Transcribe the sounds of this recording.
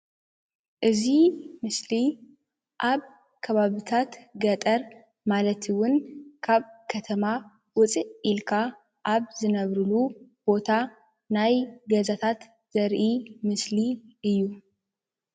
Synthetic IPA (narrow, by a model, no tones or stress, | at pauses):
ʔɨzimɨsli | ʔaβ | kʰəβaβɨt̪ʰat̪ɡət̪ʼəɾ | malət̪ʰɨwʊnkʰaβkʰət̪ʰəma | wʊt͡sʼiʔilkʰa | ʔaβzɨnəβɾɨlub̥o̞t̪ʰa | najɡəzat̪ʰat̪ | z̥əɾʔimɨsliʔɨjːu